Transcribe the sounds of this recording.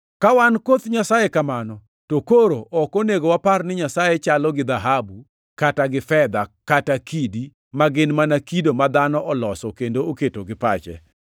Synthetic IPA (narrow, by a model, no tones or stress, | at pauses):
kawankot̪ɲasajekamanɔ | tokoɾoʔɔkoneɡowaparnɪɲasajet͡ʃalɔɡɪd̪aɦabu | kataɡɪfɛd̪akatakidi | maɡɪnmanakidomad̪anɔʔɔlɔsɔkendooketoɡɪpat͡ʃɛ̰